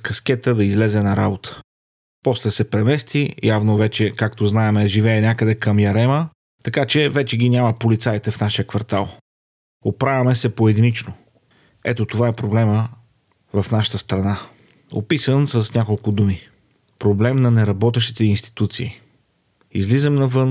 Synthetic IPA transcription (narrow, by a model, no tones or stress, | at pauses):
kɐskɛt̪əd̪ɐizlɛzɛnɐɾabot̪ə̥ | pɔslɛsɛpɾɛmɛst̪ijavnovɛt͡ʃɛkakt̪oznaɛmɛʒivɛːnʲakəd̪ɛkəmjɐɾɛmə | t̪ɐkat͡ʃɛvɛt͡ʃɛɡʲinʲamɐpolit̪sait̪ɛfnaʃijəkvɐɾt̪alˠ | opɾavʲɐmɛsɛpoɛd̪init͡ʃno | ɛ̰t̪ot̪ovaɛpɾoblɛmə | vɐfnaʃə̥t̪əst̪ɾɐna | o̰pisənsəsnʲakolˠkʊd̪umi | pɾoblɛmnɐnɛɾɐbɔt̪ɛʃt̪i̥t̪ɛinst̪i̥t̪ut̪siː | izlizəmnɐvɤn